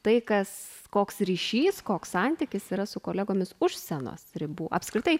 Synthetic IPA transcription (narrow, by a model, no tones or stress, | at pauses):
t̪ɐɪkɐs | koːksɾʲiːʃʲiːskoːkssɐnʲt̪ʲɪkʲɪsiːɾɐsʊkoːlʲɛɡoːmʲɪsʊʃʲsʲɛno̰ːsɾʲɪbuːʔɐpskɾʲɪt̪ɐɪ